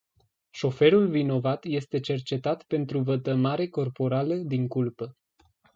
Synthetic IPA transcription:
ʃo̞fe̞ɾulvino̞vat̪je̞st̪e̞t͡ʃe̞rt͡ʃe̞t̪at̪pe̞nt̪ɾuvət̪əmaɾe̞ko̞rpo̞ɾaləd̪iŋkulpə

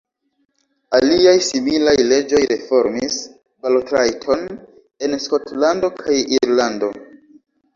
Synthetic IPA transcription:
aliajsimilajle̞d͡ʒo̞jɾefo̞ɾmis | baltɾajtʰo̞n | e̞nskotlando̞kʰajiɾlando̞

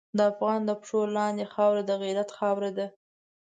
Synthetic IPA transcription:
d̪əafɣɑnd̪əpʂolːɑnd̪exɑwɾad̪əɣiɾat̪xɑwɾad̪a

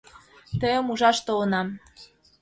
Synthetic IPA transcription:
t̪əjə̆muʒɑʃt̪olɤ̆nɑm

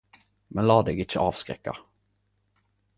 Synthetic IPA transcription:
mɛnlɑːd̪ɛɡɪt͡ʃəʔɑːvskɾɛ̰kːa̰

